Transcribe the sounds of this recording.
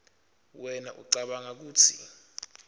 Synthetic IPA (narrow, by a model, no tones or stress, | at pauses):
wɛnaʔṵǀaɓaŋak̬uːtʰḭ